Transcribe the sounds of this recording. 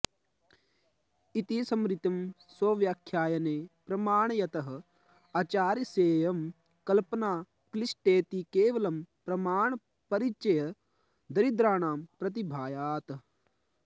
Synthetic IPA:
it̪isɐmɾit̪ɐm | soːʋjaːkʰjaːjɐneːpɾɐmaːɳjɐt̪ɐɦɐ̆ | ɐːt͡ʃaːɾjɐseːjɐm | kɐlpɐnaː | klisʈeːt̪ikeːʋɐlɐmpɾɐmaːɳ | pɐɾit͡ʃɐjɐ | d̪ɐɾid̪ɾaːɳaːmpɾɐt̪̬ibʱaːjaːt̪

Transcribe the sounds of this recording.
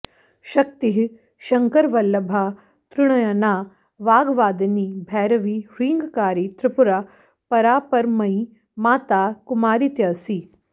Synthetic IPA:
ʃɐk̚t̪iɦ | ʃɐŋkəɾʋɐlːɐbʱaː | t̪ɾɪɽ̃ɐjanaː | ʋaːɡʋaːd̪niːbʱɛːɾɐʋiːɾiːŋɡkaːɾiːt̪ɾɪpʊɾa | pɐɾaːpɐɾmɐ̃ĩ | maːt̪aːkʊmaːɾit̪jɐsiː

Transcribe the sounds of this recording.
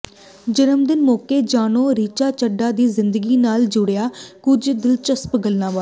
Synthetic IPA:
d͡ʒənəmd̪ɪnmoːkeːd͡ʒaːnoːɾiːt͡ʃaːt͡ʃəɖaːd̪iːzɪnd̪əɡiːnaːld͡ʒʊɽejaːkʊd͡ʒd̪ɪlt͡ʃəspɡəlnãːʋaː

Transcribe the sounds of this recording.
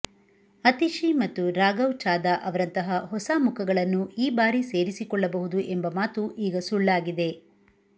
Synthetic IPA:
ɐt̪iʃimɐt̪ːuɾaːɡɐwt͡ʃaːd̪ɐʔɐʋɐɾɐnt̪ɐɦɐɦɔsaːmukʰɐɡɐɭɐnːuiːbaːɾise̞ːɾisikɔɭːɐbɐɦud̪uʔe̞mbɐmaːt̪uʔiːɡɐsuɭːaːɡid̪e̞

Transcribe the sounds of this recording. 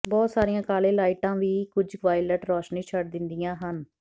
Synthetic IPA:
bɔːt̪saːɾijãːkaːlẽːlaːɪʈãːʋiːkʊd͡ʒʋaːɪləʈɾɔːʃnĩːt͡ʃʰəʈd̪ɪnd̪ijãːɦən

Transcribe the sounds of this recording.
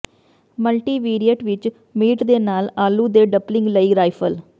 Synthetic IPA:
məlʈiːʋiːɾijəʈʋɪt͡ʃ | miːʈd̪eːnaːlaːlːuːd̪eːɖəblɪŋɡləiɾaːɪpʰəl

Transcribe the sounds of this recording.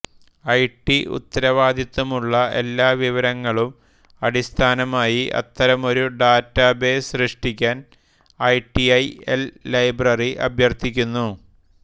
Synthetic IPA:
ɐjʈːiṵt̪ːɐɾɐʋaːd̪it̪ːɐmuɭːɐe̞̰lːaːʋiʋɐɾɐŋːɐɭum | ɐɽist̪ʰaːnɐmaːjiʔɐ̰t̪ːɐɾɐmo̞ɾuɖaːtːaːbe̞ːsrɨʂʈikʲːaːn | ɐjʈːiɐjḛlːɐjbrɐriʔɐ̰bʱjɐrt̪ʰikʲːunːu

